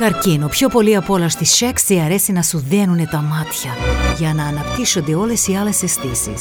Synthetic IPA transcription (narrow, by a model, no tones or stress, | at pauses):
kɐɾcinopçopo̞liɐpolɐst̪isʃeksiɐɾesinɐsuðenunet̪ɐmat̪çɐʝɐnɐːnɐpt̪isond̪eolesialesest̪isḭs